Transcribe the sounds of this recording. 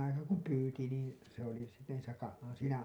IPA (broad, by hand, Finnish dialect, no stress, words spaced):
ɑikɑː kum pyːti niːn se oli se niːsæ kɑ siːnæ